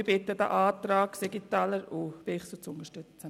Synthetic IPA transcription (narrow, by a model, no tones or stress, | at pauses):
b̥ɪt̪ːəd̥̪a̰ʔaːt̪ɾaːkseɡit̪aːləɾʊb̥ɪχsut͡sʊnt̪əʃtʏt͡sə